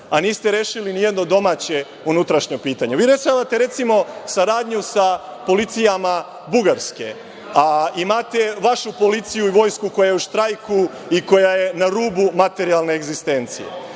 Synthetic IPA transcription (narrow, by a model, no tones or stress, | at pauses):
aniːst̪eɾeːʃilinijed̪no̞d̪o̞mat͡ɕe̞ | unut̪ɾaʃɲopiːt̪aɲeʋiːɾesamat̪e̞ɾe̞t̪simo̞saɾaːd̪ɲusapo̞lit̪sijama | buɡaɾske | aimat̪e̞ʋaʃupo̞lit̪sijuiʋo̞ːjskuko̞jaje̞uʃt̪ɾajku | iko̞jajenaɾuːbumat̪e̞ɾialˠne̞ːɡzist̪e̞nt̪sijḛ